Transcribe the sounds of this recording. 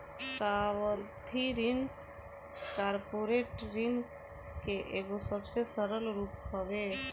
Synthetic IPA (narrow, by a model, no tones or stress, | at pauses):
saʋət̪ʰiɾɪn | kaːɾpoɾeːʈɾɪn | keʔeːɡosəbsesəɾəlɾuːpɦəʋe